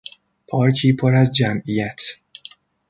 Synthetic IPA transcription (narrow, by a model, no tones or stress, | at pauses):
pʰɒːɾkʰiːpʰoɾæzd͡ʒæmʔijæt̪ʰ